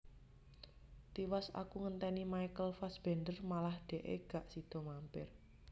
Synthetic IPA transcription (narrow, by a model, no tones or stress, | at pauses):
t̪iwasa̰kuŋənt̪ɛnimajkəlfasb̥ɛ̤nd̪ərmalahɖ̪̥ɛ̤ʔḛɡ̥aʔsid̪̥ɔ̤mampɪr